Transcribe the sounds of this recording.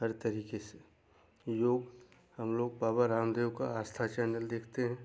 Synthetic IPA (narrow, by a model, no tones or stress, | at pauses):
ɦɐɾt̪ɐɾiːkese | joːɡ | hɐmloːɡ̚paːbaɾaːmd̪eːwkaaːst̪ʰat͡ʃɛːnəld̪eːkʰt̪eɦɛ̃ː